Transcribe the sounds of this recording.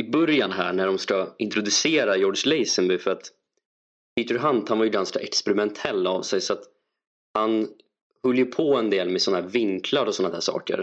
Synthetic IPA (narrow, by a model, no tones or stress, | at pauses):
ɪbœɾjanɦæ̰ːɳæɖɔmskaɪnt̪ɾʊd̪ɵseːɾajɔːɖʂlɛjsənbɪfœɾat̪ | pʰit̪ɵɾɦant̪hanvaɾjɵɡanskaʔɛkspɛɾɪmɛnt̪ʰɛlːavsɛjsɔat̪ | han | hɵlːjəpʰɔɛnd̪eːlmɛsɔnːaɦæːɾvɪŋkʰlaɾɔsɔnad̪æ̰ːʂɑ̰ːkə̰ɾ